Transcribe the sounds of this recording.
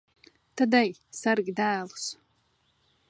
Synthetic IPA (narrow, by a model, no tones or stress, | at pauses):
t̪ʰad̪ajsarɡʲid̪æːlˠus